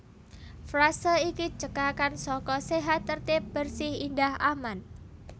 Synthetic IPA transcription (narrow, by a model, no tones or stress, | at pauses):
fɾasəikit͡ʃəkakansɔkɔseɦat̪ːərt̪ɪp̚b̥ərsɪhindahʔaman